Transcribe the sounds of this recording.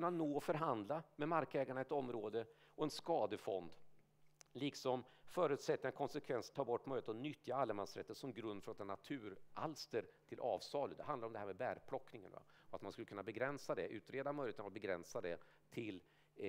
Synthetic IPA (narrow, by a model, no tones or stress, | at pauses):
nːanoːɔfœɾɦand̪lamɛmaɾkɛːɡaɳaɛt̪ɔmːɾoːd̪ə | ɔɛnskɑːd̪əfɔ̰nd̪ | liːksɔmːfœːɾʉ̟ːt̪sɛt̪ːɪankʰɔnsɛkʰvɛnst̪ʰɑːbɔʈːmœjlɪət̪ɔnʏt̪ʰːjaalːəmansɾɛ̰t̪ːət̪sɔmɡɾɵnd̪fɾɔt̪ɛnːat̪ʰʉ̟ːɾa̰lst̪əɾt̪ʰɪlʔɑːvsɑːləd̪ɛɦand̪ɾɔmd̪ɛɦæɾmɛbæɾpʰlɔkːnɪŋə̰nva̰ɔa̰t̪manskɵlːəkʰɵnːabɛɡɾɛnsad̪ɛʔʉ̟ːt̪ɾeːd̪amœʏjlɪət̪ənavat̪bɛɡɾɛnsad̪ɛ | t̪ʰɪl